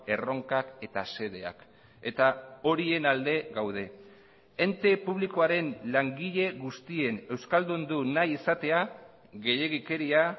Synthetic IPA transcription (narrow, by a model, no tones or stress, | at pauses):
e̞ro̞ŋkake̞t̪ase̞ðe̞a̰k | e̞t̪ao̞ɾie̞nald̪e̞ɣawð̞e̞ | ent̪e̞puβ̞liko̞aɾe̞nlaŋɡiʎe̞ɣust̪ie̞ne̞wskald̪und̪unajisat̪e̞a | ɣe̞je̞ɣike̞ɾia